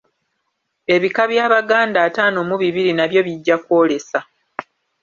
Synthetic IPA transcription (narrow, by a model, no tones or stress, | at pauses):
e̞βikaβjaːβaɡaːndaːtaːno̞muβiβiɾinaβjo̞βiɟːako̞ːle̞sa